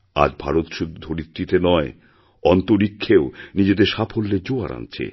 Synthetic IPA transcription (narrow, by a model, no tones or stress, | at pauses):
a̰d͡ʑbʱaɾot̪ʃud̪ʱːud̪ʱoɾit̪ːit̪enɔe | ɔnt̪oɾikʰːeonid͡ʑed̪eɾʃapʰolːed͡ʑoa̰ɾʔa̰nt͡ɕʰḛ